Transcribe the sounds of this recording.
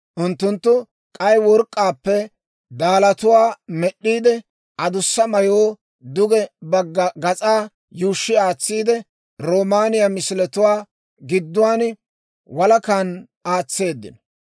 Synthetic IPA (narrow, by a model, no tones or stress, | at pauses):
ʔʊnt̪ːʊnt̪ːʊ | kʼɐjwɔɾkʼːaːpːɛ | d̪aːlɐt̪ʊwaːmɛɗːiːd̪ɛ | ʔɐd̪ʊsːɐmɐjoː | d̪ʊɡɛbɐɡːɐɡɐt͡sʼaː | juːʃːɪaːt͡sːiːd̪ɛ | ɾoːmaːnɪjɐmɪsɪlɛt̪ʊwaː | ɡɪd̪ːʊwaːn | wɐlɐkan | aːt͡sːe̞ːd̪ːɪ̰nɔ